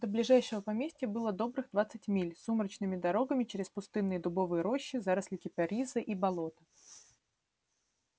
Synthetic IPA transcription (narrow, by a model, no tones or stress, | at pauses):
d̪̥əblʲɪʐajʂɪvəpɐmʲesʲtʲɪəbɨlˠəd̪o̞bɾɨɣd̪vat̪sɨtʲmʲilʲsuməɾət͡ɕnɨmʲɪd̪ɐɾo̞ɡəmʲɪt͡ɕɪɾʲɪspʊst̪ɨnːɨjəd̪ʊbo̞vɨjəɾo̞ɕːɪzaɾəslʲɪkʲɪpʲɐɾʲizɨʔibɐlˠo̞t̪ə̥